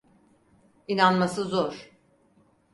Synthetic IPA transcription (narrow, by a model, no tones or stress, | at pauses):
inanmasɯzoɾ̥